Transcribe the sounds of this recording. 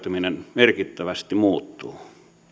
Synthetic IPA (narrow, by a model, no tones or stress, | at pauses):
t̪yminenmerkit̪ːæʋæst̪imuːt̪ːˑuː